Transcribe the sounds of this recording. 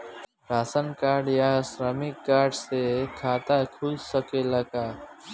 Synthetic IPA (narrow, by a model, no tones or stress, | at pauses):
ɾaːsənkaːɾɖjasɾəmɪkːaːɾɖsekʰaːt̪akʰʊlsəkeləɡaː